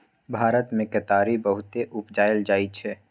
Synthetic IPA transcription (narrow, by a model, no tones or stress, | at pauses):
bʱaːɾət̪mẽkət̪aːɾibəɦʊt̪eʔʊpd͡ʒaːeld͡ʒaːit͡ʃʰɛː